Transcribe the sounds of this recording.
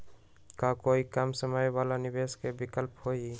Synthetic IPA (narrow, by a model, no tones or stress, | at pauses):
kakoikamsəmajwaːlanɪbeskebɪkəlphoi